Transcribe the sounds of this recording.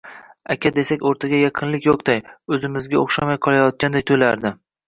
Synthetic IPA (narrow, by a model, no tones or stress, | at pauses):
akʲʰad̪e̞sakʲoɾt̪ʰaɡʲajɑqʰɨnlɪkʲjoqd̪ajɵzɪmɪzɡʲaoχʃamajqʰɒlˠajɒt̪̚kʲand̪ajt̪ʰojlaɾd̪ɪ